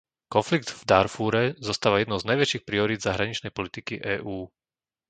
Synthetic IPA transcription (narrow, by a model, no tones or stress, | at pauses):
kɔnfliɡ̚d̪vd̪aɾfuːɾɛzɔst̪aːʋajɛd̪nɔʊznajʋɛt͡ʃiːxpɾiɔɾiːd̪zaɦɾaɲit͡ʃnɛjpɔlit̪ikiʔɛːʔuː